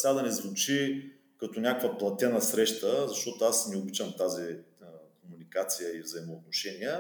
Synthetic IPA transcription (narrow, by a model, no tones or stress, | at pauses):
sʲad̪ɐnɛzvut͡ʃi | kɐt̪onʲakkvəplˠɐt̪ʲɛnəsɾɛʃt̪əzɐʃt̪ɔt̪oasnɛobit͡ʃɐmt̪azikomunikat̪sijəivzɐimoːt̪̚noʃɛniə